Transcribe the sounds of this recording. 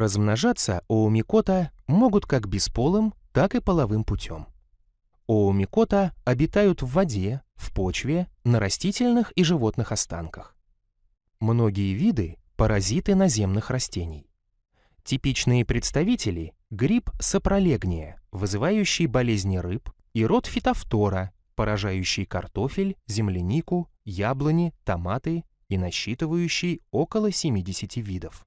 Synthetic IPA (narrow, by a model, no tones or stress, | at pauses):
rəzmnɐʐat̪sːə̰oːmʲɪko̞t̪əmo̞ɡʊt̪kaɡbʲɪspo̞lˠɨmt̪akɨpəlˠɐvɨmpʊtʲʰo̞̰m | oʊmʲɪko̞t̪əɐbʲɪt̪ajʊt̪vːɐdʲefpo̞t͡ɕvʲɪnəɾɐsʲtʲitʲɪlʲnɨxiʐɨvo̞t̪nɨxɐst̪a̰nkə̥x | mno̞ɡʲɪjəvʲid̪ɨ | pəɾɐzʲit̪ɨnɐzʲe̞mnɨxrɐsʲtʲenʲɪj | tʲɪpʲit͡ɕnɨjəpɾʲɪt̪st̪ɐvʲitʲɪlʲɪ | ɡɾʲipsəpɾɐlʲe̞ɡnʲɪjəvɨzɨvajʉɕːɪjbɐlʲezʲnʲɪɾɨp | iɾo̞t̪fʲɪt̪ɐft̪o̞ɾə | pəɾɐʐajʉɕːɪjkɐrt̪o̞fʲɪlʲzʲɪmlʲɪnʲikʊ | jablˠənʲɪt̪ɐmat̪ɨ | inɐɕːit̪ɨvəjʉɕːɪjo̞kəlˠəsʲɪmʲidʲɪsʲɪtʲivʲid̪əf